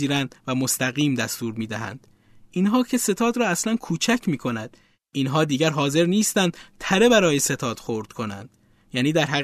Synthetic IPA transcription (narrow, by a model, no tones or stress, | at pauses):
iːɾænd̪væmost̪æɣiːmd̪æst̪uːɾmiːd̪æɦæ̰nd̪̥ | inɦɒːcʰe̞se̞t̪ʰɒːd̪ɾɒːæslænkʰuːt͡ʃʰæcʰmiːkʰo̞næd̪̥ | inɦɒːd̪iːɟæɾɦɒːze̞ɾniːst̪ænd̪̥t̪ʰæɾe̞bæɾɒːjese̞t̪ʰɒːd̪̥xoɾd̪̥kʰo̞næ̰nd̪̥ | jæːniːd̪æɾɦæ